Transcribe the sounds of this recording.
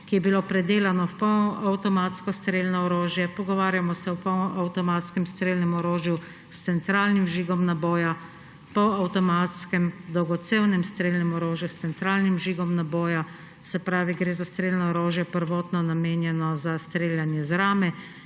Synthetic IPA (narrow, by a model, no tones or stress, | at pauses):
kijɛbiloːpɾɛd̪eːlanɔpɔawt̪ɔmaːt̪skɔst̪ɾeːlnɔɔɾoːʒjɛpɔɡɔʋaːɾjamɔsɛwpɔawt̪ɔmaːt̪skɛmst̪ɾeːlnɛmɔɾoːʒju | st̪sɛnt̪ɾaːlnimʒiːɡɔmnabɔːja | pɔawt̪ɔmat̪skɛmd̪ɔwɡɔt̪sewnɛmst̪ɾeːlnɛmɔɾoːʒjust̪ɛnt̪ɾaːlnimʒiːɡɔmnabɔːja | sɛpɾaːʋiɡɾeːzast̪ɾeːlnɔɔɾoːʒjapəɾʋɔːt̪nɔnameːnjɛnɔzast̪ɾeːljanjɛzɾaːmɛ